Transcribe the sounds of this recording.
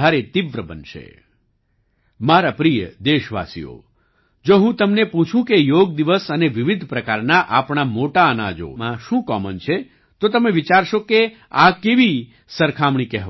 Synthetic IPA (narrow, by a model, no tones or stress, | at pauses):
aɾet̪iʋɾəbənʃḛ | maɾapɾijəd̪eʃʋa̰sḭjo̰ | d͡ʒoɦũt̪əmnepũt͡ʃʰũkejoɡd̪iʋəsəneʋɪʋɪd̪ʱpɾəkaɾnaʔapɳ̃amoʈaəna̰d͡ʒo̰ãʃũkɔmənt͡ʃʰe | t̪ot̪əmeʋit͡ʃaɾʃoke | akeʋi | səɾkʰamɳ̃ĩkɛɦ